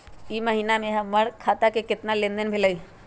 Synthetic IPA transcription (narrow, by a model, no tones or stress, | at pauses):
imɐɦiːnamẽɦɐ̃mːɐɽkʰaːt̪akekɪt̪nalẽnd̪ənbʱɪlai